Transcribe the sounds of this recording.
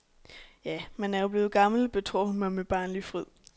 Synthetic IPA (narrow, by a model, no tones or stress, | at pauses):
jæmænæɐjob̥le̝ːð̞̩ˠɡ̥ɑ̈ml̩b̥e̝t͡sʰʁo̰hunmɑ̈meb̥ɑ̰̈ːnlifʁið̰ˠ